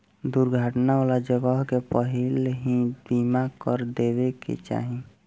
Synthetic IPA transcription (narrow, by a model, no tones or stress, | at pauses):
d̪uɾɡʱaʈnaolad͡ʒəɡəɦkepəɦilɦĩb̪imakəɾd̪eβekḛt͡ʃa̰ːɦi